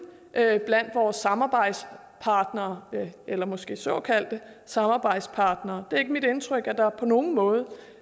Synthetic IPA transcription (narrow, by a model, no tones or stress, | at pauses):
ʔb̥læn̰d̥ʋɒːsːɑ̈mɑ̈ːb̥ɑ̈ɪ̰d̥s | pʰɑ̈ːd̥nɐːelɐmɒ̽sɡ̥e̝̰ːsɔ̰̽kʰæl̰d̥ə | sɑ̈mɑ̈ːb̥ɑ̈ɪ̰d̥spʰɑ̈ːd̥nɐːd̥e̝ɐe̝ɡ̥əmid̥e̝nt͡sʰʁœɡ̥æd̥ɑ̈pʰɒ̽no̝ːn̩mɔ̽ːð̞̩ˠə